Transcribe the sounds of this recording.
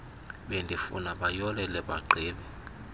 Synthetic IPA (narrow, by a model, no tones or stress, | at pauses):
ɓendʱifṵnaɓajɔlɛlɛɓa̰ǃʱiːɓɛ